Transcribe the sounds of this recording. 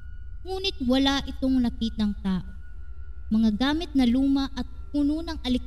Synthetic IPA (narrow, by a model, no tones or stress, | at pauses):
ŋuːnɪt̪̚wɐlaʔɪt̪oŋlɐkit̪̚nɐŋt̪aːʔo | mɐŋaɡaːmɪt̪̚nɐluːmɐʔɐt̪̚ | ununɐŋʔɐlɪk